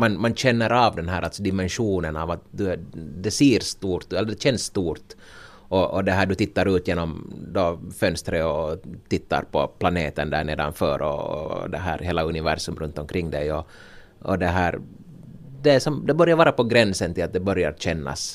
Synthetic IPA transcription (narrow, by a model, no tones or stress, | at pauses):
manmanɕɛnːəɾaːvd̪ɛnɦæːɾaltsɔd̪ɪmɛnʂuːnənaːvat̪̚d̪ɵd̪ɛsiːɾst̪uːɾt̪ɛlːəɖɛɕɛnsːt̪uːɾt̪ | ʔɔɔd̪ɛɦæːɖɵt̪ʰɪt̪ːaɾʉ̟ːt̪jeːnɔmd̪ɔfœnst̪ɾəɔt̪ʰɪt̪ːa̰ɾpʰɔpʰlaneːt̪ənd̪æ̰ːɳeːd̪a̰nfœ̰ːɾɔ̰d̪ɛɦæ̰ːɾheːlaɵnɪvæ̰ɾʂɵmɾɵnt̪ɔmkʰɾɪŋːd̪ɛjɔ | ɔd̪ɛɦæːɾ | d̪ɛːʂɔmd̪ɛbœɾjaɾvɑːɾapɔɡɾɛnsənt̪ʰɪlat̪d̪ɛbœɾja̰ɾɕɛnːa̰s